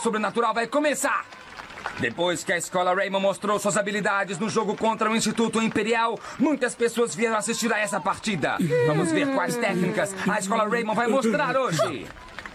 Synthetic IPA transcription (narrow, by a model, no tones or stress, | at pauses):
sobɾenat̪uɾawvajkõmesaɾ | d̪epojskɪɐɪskɔlɐɾejmɐ̃most̪ɾowsuɐzabilid̪ad͡ʒɪznʊʒoɡʊkõnt̪ɾɐʊĩst͡ʃit̪ut̪ʊĩmpeɾiawmũj̃t̪ɐspesoɐzviɛɾɐ̃asist͡ʃiɾɐɛsɐpaɾt͡ʃid̪ɐ̰vɐ̃mʊzveɾkwajst̪ɛknikɐsɐɪskɔlɐɾejmɐ̃vajmost̪ɾaɾoʒɪ